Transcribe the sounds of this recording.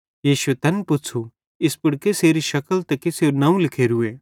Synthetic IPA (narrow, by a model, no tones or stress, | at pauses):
jiːʃuet̪ɐnpʊt͡sʰu | ɪspɪɽkeseːɾiʃɐkəlt̪ɐkiseɾnɐũlɪkʰeːɾɦueː